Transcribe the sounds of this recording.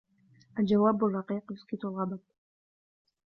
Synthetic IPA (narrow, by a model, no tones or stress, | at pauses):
ʔald͡ʒawaːbʊrˤːɑqiːqjʊskit̪ʊlɣɑbad̪̚